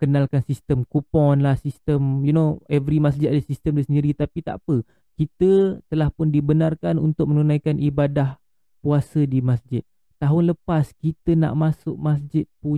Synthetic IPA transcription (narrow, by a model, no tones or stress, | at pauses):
kənalkansist̪əmkupɔnlahsist̪əmjunoɛvɾimas̬d͡ʒɪt̪̚adəsist̪əmdəsəndiɾit̪apit̪a̰ʔpə | kit̪ət̪əlahpʊndibənarkanunt̪ʊk̚mənunajkanibadah | puasədimasd͡ʒɪt̪̚ːaɦʊnləpaskit̪əna̰ʔmasʊʔ̚masd͡ʒɪt̪̚pu